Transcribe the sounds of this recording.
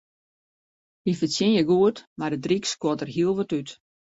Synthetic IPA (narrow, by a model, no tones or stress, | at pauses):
ifəsjɪnjəɡuətmardədrikskotərɦiəlˠʋɔtyt